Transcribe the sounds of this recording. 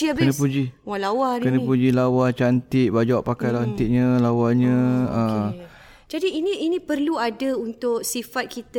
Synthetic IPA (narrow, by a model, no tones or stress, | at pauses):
iaənəpud͡ʒiwalawankənəpud͡ʒilawat͡ʃant̪ɪʔbad͡ʒawaʔpakajlaant̪ɪʔɲə̃lawaɲə̃ə | d͡ʒadiːnĩʔːnĩpərluadaunt̪ʊʔsifat̪̚kit̪a